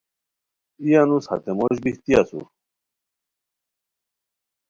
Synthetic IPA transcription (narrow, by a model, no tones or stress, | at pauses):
ijanushɐ̰t̪emoɕbiht̪ijasṵ